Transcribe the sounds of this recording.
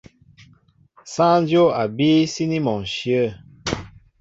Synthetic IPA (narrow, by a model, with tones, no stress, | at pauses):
sã˦n˦djo˦˨a˨bi˦si˦ni˦mɔ˨ŋʃjə˦˨